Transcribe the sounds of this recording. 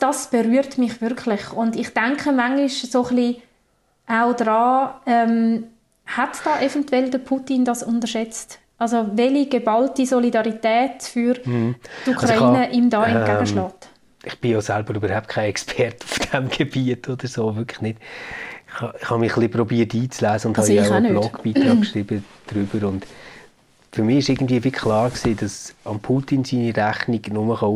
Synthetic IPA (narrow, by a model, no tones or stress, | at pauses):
d̥ɑsb̥eɾyəɾtmɪχvʏɾkʰlɪχʊndɪχtɛŋkχəmaŋɡiʃsoχli | ʔaʊdrɑːɛm | hatd̥ɑːʔefɛntwɛldəpʰutindɑsʊndəʃɛt͡st | ʔɑlsovɛliɡ̥ebɑltisolidɑɾitɛːtfyɾtukʰɾɑiːnəʔimdɑːɛnɡaɡəʃlɑːt | ɪχb̥ɪjoːsælb̥əɾybəɾhaʊp̚t̚kʰaɪɛkspʰɛrtʊ̥fd̥ɛmɡ̥eb̥iətʰod̥̪əɾsoːʋʏkʰlɪ̥χnɪd̥ɪχhɑɪχhɑmɪχliprɔbiːəɾtiːt͡slæːzəʊndthhɑjaanlɔɡb̥iːtʁɑːkkʃɾiːb̥əd̥ɾʏb̥əɾʊnd | fʏɾmɪɪʃɪɾɡən̩dviːəfɪkʰχlɑːɾksiːdɑsɑmpʰutinsiːniɾæχnɪɡnʊməχɑ